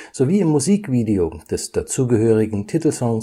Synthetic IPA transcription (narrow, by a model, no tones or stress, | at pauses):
z̥oviːɪmːuziːkv̥iːdeod̥ɛsd̥at͡suːɡəhøːʁ̞ɪɡŋ̩tʰɪtl̩sɔŋs